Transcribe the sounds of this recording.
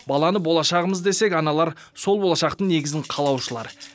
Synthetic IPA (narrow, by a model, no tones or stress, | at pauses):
bɑlˠɑnəbo̞lˠɑʃɑʁəməzd̪e̞se̞kʲɑnɑlˠɑɾso̞lˠbo̞lˠɑʃɑqt̪əɴne̞ɡʲɪzɪɴqʰɑlˠɑwʃəlˠɑ̰ɾ